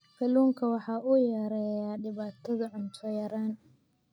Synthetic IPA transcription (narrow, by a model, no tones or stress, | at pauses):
fɐluːŋkʰɐwɑħɑːʔʊjɛɾɛjaːɖɪβaːt̪ʰɐðɐʕʊnt̪ʰɔjɐɾaːn